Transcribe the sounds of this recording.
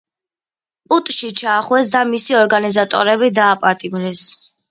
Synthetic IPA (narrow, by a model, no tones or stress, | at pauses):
pʼut̪ʼʃit͡ʃʰaːχwɛsd̪amisiɔɾɡanizat̪ʼɔ̰ɾɛbid̪aːpʼat̪ʼimɾɛs